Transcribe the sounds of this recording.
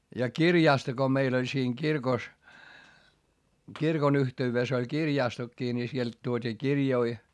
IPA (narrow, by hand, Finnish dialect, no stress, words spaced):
jɑ kirjɑˑsto ko meil olʲ siːŋ kirkos kirkon yhteyʋes olʲ kirjɑˑstokːiː ni sielt tuotʲiː kirjoi